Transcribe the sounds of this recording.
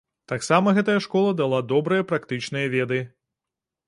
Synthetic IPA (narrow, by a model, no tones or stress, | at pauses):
t̪aksamɐɣɛt̪ɐjɐʂkɔlˠɐd̪alˠad̪ɔbɾɨjɐpɾakt̪ɨt͡ʂnɨjɐvʲɛd̪ɨ